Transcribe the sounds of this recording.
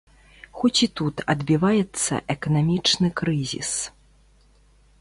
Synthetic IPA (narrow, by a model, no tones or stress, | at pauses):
xɔt͡sʲit̪ut̪ɐd̪bʲivajɛt̪sːɐ̰ʔɛkɐnamʲit͡ʂnɨkɾɨzʲḭs